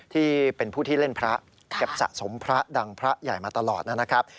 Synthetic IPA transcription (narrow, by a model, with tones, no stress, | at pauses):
t̪ʰiː˥˩pe˧npʰuː˥˩t̪ʰiː˥˩le˥˩npʰɾa˦˥ʔ | ka˨˩p̚sa̰˨˩ʔso˩˦mpʰɾa˦˥da˧ŋpʰɾa˦˥ja̰˨˩jmaː˧t̪a˧lɔː˨˩t̪̚na˦˥na˦˥kʰɾa˦˥p̚